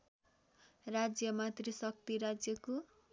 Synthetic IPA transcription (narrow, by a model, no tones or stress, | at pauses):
rad͡zjʌmat̪risʌk̚t̪iɾad͡zjʌko